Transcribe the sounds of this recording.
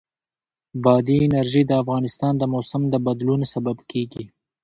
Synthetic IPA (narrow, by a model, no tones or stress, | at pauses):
bɑd̪iɪnaɾʒid̪əafɣɑnɪst̪ɑnd̪əmosamd̪əbad̪lunsababkeɡi